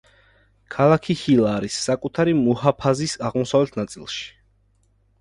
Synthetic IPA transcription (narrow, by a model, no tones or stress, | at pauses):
kʰalˠakʰihilˠaːɾisːakʼut̪ʰaɾimɔhapʰazisaʁmɔsavlɛt̪ʰnat̪sʼḭlˠʃi̥